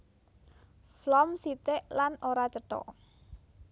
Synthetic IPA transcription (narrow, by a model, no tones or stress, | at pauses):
flɔmsit̪eʔlanoɾat͡ʃəʈɔ̰ʔ